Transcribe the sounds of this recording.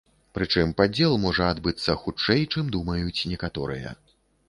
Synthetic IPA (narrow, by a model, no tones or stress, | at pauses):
pɾɨt͡ʂɨmpad͡zʲɛlˠmɔʐɐad̪bɨt̪sːɐxut͡ʂɛjt͡ʂɨmd̪umɐjut͡sʲnʲɛkat̪ɔɾɨ̰jɐ̰